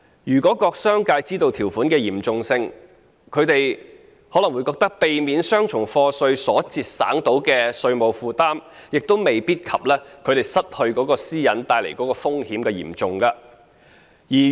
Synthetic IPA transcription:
jyː˨˩kɔː˨˥kɔː˧k̚sœː˥ŋkaː˧jt͡siː˥t̪o˧wt̪ʰi˨˩wfuː˨˥nkɛː˧jiː˨˩mt͡sʊ˨ŋsɪ˧ŋ | kʰɵ˨˧ɥt̪e˨j | hɔː˨˥lɐ˨˩ŋwu˨˧jkɔː˧k̚t̪ɐ˥k̚pe˨jmiː˨˧nsœː˥ŋt͡ʃʰʊ˨˩ŋfɔː˧sɵ˧ɥsɔː˨˥t͡siː˧t̚sa̰ː˨˥ŋt̪o˨˥wkɛː˧sɵ˧ɥmo˨˧wfuː˨t̪aː˥m | jɪ˨k̚t̪o˥wme˨jpiː˥t̚kʰɐ˨p̚lɛː˥kʰɵ˨˧ɥɾe˨˩jsɐ˥t̚hɵ˧ɥkɔː˨˥kɔː˧siː˥jɐ˨˥nt̪aː˧jle˨˩jkɔ˨˥kɔː˧fʊ˥ŋhiː˨˥mkɛː˧jḭ˨˩mt͡sʊ˨ŋkɐ˧ | jiː˨˩

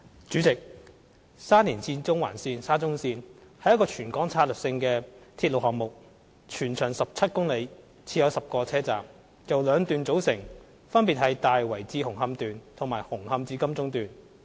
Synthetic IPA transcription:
t͡ʃyː˨˥t͡sɪ˨k̚ | saː˥niː˨˩nt͡sʰiː˧nt͡sʊ˥ŋwa̰ː˨˩nsiː˧nsaː˥t͡sʊ˥ŋsiː˧nhɐ˨jɐ˥tkɔː˧t͡ʃʰyː˨˩nkɔː˨˥ŋt͡sʰaː˧t̚lɵ˨ksɪ˧ŋkɛː˧t̪ʰiː˧t̚lo˨whɔː˨k̚mʊ˨k̚ | t͡ʃʰyː˨˩nt͡ʃʰœː˨˩ŋsɐ˨p̚t͡sʰɐ˥t̚kʊ˥ŋle˨˧j | t͡sʰiː˧jɐ˨˧wsɐ˨p̚kɔː˧t͡sʰɛː˥t͡sa̰ː˨˩m | jɐ˨wlœː˨˧ŋt̪yː˨nt͡so˨˥wsɪ˨˩ŋ | fɐ˥npi˨t̚hɐ˨jt̪aː˨jwɐ˨˩jt͡siː˧hʊ˨˩ŋɦɐ˧mt̪yː˨nt̪ʰʊ˨˩ŋmaː˨˩jhʊ˨˩ŋhɐ˧mt͡siː˧kɐ˥mt͡sʊ˥ŋt̪yː˨n

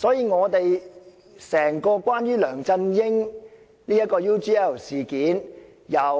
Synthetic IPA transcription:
sɔː˨˥jiː˨˧ŋɔː˨˧t̪e˨j | sɛː˨˩ŋkɔː˧kwaː˥njyː˥lœː˨˩ŋt͡sɐ˧njɪ˥ŋ | liː˥jɐ˥t̚kɔː˧juː˥tiː˥ɛ˥˩siː˨kiː˨˥n | jɐ˨w

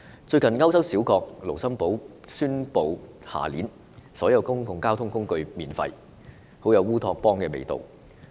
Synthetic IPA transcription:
t͡ʃɵ˧ɥkɐ˨nŋɐ˥wsɐ˥wsiː˨˥wkɔː˧k̚lo˨˩wsɐ˥mpo˨˥wsyː˥npo˨w | ha̰ː˨˩lḭː˨˥n | sɔː˨˥jɐ˨˧wkʊ˥ŋkʊ˨ŋkaː˥wt̪ʰʊ˥ŋkʊ˥ŋkɵ˧ɥmiː˨˩nfɐ̰˧j | ho˨˥wjɐ˨˧wuː˥t̪ʰɔː˧k̚pɔː˥ŋkɛː˧mḛ˨jt̪o̰˨˩w

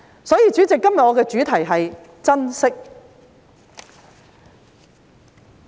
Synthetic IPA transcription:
sɔː˨˥jiː˧t͡ʃy˨˥t͡sɪ˨kːɐ˥mjɐ˨t̚ʔɔː˨˧kɛː˧t͡ʃyː˨˥t̪ʰɐ˨˩jɦɐ˨j | t͡sɐ˥nsɪ˥k̚

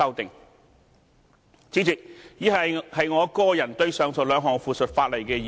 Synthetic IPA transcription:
ɐ˥wt̪ɪ˨ŋ | t͡sʰiː˨˥t͡sɪ˨k̚jiː˨˥ɦɐ˨jhɐ˨jŋɔː˨˧kɔː˥jɐ˨˩nt̪ɵ˧ɥsœː˨˧ŋsɔː˨˩lœː˨˧ŋɦɔː˨ŋfuː˨sɵ˨t̚faː˧t̚lɐ˨˩jkɛː˧jiː˨

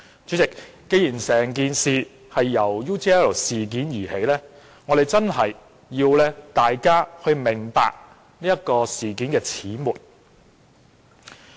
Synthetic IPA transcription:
t͡ʃy˨˥t͡sɪ˨kː | e˨˧jiː˨˩nsɛː˨˩ŋkiː˧nsiː˨ | hɐ˨jːɐ˨˩wjuː˥t͡ʃi˦ɛː˥lsiː˨k̬iː˨˥njiː˨˩he˨˥jlɛː˥ | ŋɔ˨˧d̪e˨˩jt͡sɐ˥nɦɐ˨˩jː | iː˧wlɛː˥t̪aː˨jkaː˥hɵ˧ɥmɪ˨˩ŋpa̰ː˧k̚ | niː˥jɐ˥t̚kɔː˧siː˨˩kiː˨˥nkɛː˧t͡sʰiː˨˥muː˨˩t̚

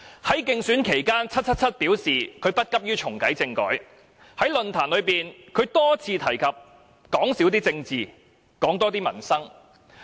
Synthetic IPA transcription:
hɐ˨˥jkɪ˧ŋsyː˨˥nkʰe˨˩jkaː˥nt͡sʰɐ˥t̚t͡sʰɐ˥t̚t͡sʰɐ˥t̚piː˨˥wsiː˨kʰɵ˨˧ɥpɐ˥t̚kɐ˥p̚jyː˥t͡ʃʰʊ˨˩ŋkɐ˨˥jt͡sɪ˧ŋkɔ̰ː˨˥j | hɐ˨˥jlɵ˨nt̪ʰaː˨˩nlɵ˨˧ɥpiː˨nkʰɵ˨˧ɥt̪ɔː˥t͡sʰiː˧t̪ʰɐ˨˩jkʰɐ˨p̚ | kɔː˨˥ŋsiː˨˥wt̪iː˥t͡sɪ˧ŋt͡siː˨ | kɔː˨˥ŋt̪ɔː˥t̪̬iː˥mɐ̰˨˩nsɐ˥ŋ

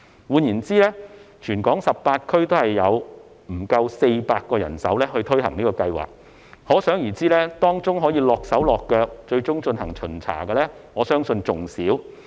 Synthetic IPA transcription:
wuː˨˧njiː˨˩nt͡siː˥lɛː˥t͡ʃʰyː˨˩nkɔː˨˥ŋsɐ˨p̚ːpaː˧t̚kʰɵ˥ɥt̪o˥whɐ˨jːɐ˨˧w | m̩˨˩kɐ˧wse˧jpaː˧t̚kɔː˧jɐ˨˩nsɐ˨˥wlɛː˥hɵ˧ɥt̪ʰɵ˥ɥɦɐ˨˩ŋniː˥kɔː˧kɐ˧jwa̰ː˨˩k̚ | hɔː˨˥sœː˨˥ŋjiː˨˩t͡siː˥lɛː˥t̪ɔː˥ŋt͡sʊ˥ŋɦɔː˨˥jiː˧lɔː˨k̚sɐ˨˥wlɔː˨kːœː˧k̚t͡ʃɵ˧ɥt͡ʃʊ˥ŋt͡ʃɵ˧nɦɐ˨˩ŋt͡ʃʰɵ˨˩nt͡sʰa̰ː˨˩ɡɐː˧lɛː˥ŋɔː˨˧sœː˥ŋsɵ˧nt͡sʊ˨ŋsiː˨˥w

